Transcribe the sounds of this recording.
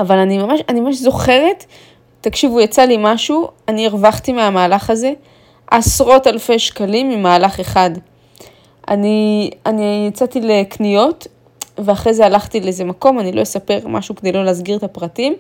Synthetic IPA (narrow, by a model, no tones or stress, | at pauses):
avalanimamaʃanimamaʃzo̞χe̞ʁe̞tː | akʃivujat͡salimaʃuanieʁvaχtimeamaːlaχaze̞ | ʔasʁo̞talfe̞jʃkalimːimaːlaχe̞χad | a̰nianijat͡satileknijo̞t | veaχʁejzealaχt̪ileezemako̞manilo̞jesape̞ʁmʔa̰ʃuked̪ejlo̞leːzɡiʁet̪apʁatim